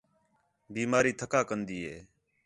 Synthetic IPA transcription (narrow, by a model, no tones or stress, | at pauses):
biːmaːɾiːt̪ʰəkaːkənd̪iːɦeː